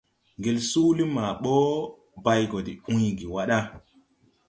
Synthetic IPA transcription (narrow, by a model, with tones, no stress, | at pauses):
ŋɡe˨lsu˦li˦ma˨ɓo˦ | ba˨jɡo˨di˨ũ˦jɡi˨wa˦ɗa˦